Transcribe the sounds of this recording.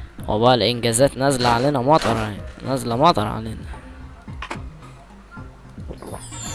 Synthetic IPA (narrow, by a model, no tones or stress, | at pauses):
wḛbæʔælʔenɡæzæːt̪næzlæʕaleːnæmɑt̪ˤɑɾˤjaninæzælæmɑt̪ˤɑ̰ɾˤʕa̰leːnæ